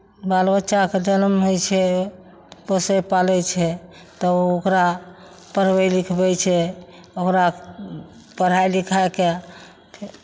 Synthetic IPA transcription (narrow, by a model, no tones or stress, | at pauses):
balbət͡ʃaked͡ʒənmɦojt͡ʃʰɛ | posɛpalɛt͡ʃʰɛ | t̪ɔokɾa | pəɾ̤bɛlikʰbɛt͡ʃʰɛ | okɾa | pəɾ̤ajlikʰaeke | pʰ